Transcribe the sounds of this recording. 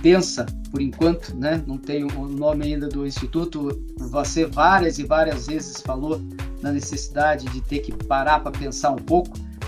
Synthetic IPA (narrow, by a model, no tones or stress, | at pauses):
pẽsɐpoɾĩŋkwɐ̃nt̪ʊ̥nɛnɐ̃w̃t̪ẽj̃ʊːnõmɪaĩnd̪ɐd̪ʊĩst͡ʃit̪ut̪ʊ | vosevaɾjɐzɪvaɾiɐzvezɪsfalo | nɐnesesid̪ad͡ʒɪd͡ʒɪt̪eɾkɪpaɾaɾpɾɐpẽsaɾũpowkʊ̥